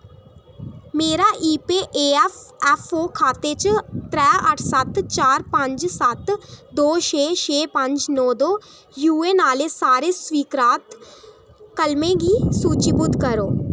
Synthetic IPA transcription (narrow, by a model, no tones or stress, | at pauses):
meːɾaːʔiːpeːʔeːɛfɛːfʰoːkʰaːt̪et͡ʃt̪ɾɛːəʈʰsət̪t͡ʃaːɾpə̃ɲd͡ʒsɐt̪d̪oːʃeːʃeːpə̃ɲd͡ʒnɔːd̪oː | juːeːnaːlesaːɾeːswiːkɾaːt̪ | kəlmẽɡiːsuːt͡ʃibʊd̪kəɾoː